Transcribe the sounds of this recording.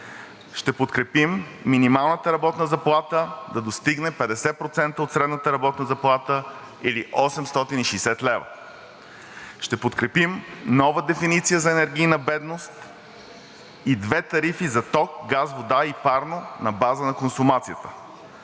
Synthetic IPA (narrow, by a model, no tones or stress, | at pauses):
ʃt̪ɛpot̪kɾɛpimːinimalˠnət̪əɾɐbɔt̪nəzɐplˠat̪əd̪ɐd̪ost̪iɡnɛpɛd̪ɛsɛpɾot̪sɛnt̪əot̪sɾɛd̪nət̪əɾɐbɔt̪nəzɐplˠat̪ə | iliʔɔsɛmst̪ɔt̪iniʃɛjsɛt̪lɛvə̰ | ʃt̪ɛpot̪kɾɛpimnɔvəd̪ɛfinit̪sijəzɐɛnɛɾɡʲiːjnɐbɛd̪nost̪ | id̪vɛt̪ɐɾifizɐt̪ɔk̚ɡazvod̪aipaɾnonɐbazənɐkonsʊmat̪sijət̪ə̥